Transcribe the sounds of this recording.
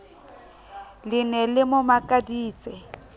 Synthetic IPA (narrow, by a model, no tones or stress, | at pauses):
lɪnɛlɪmʊmakʼadiːt͡sʼɛ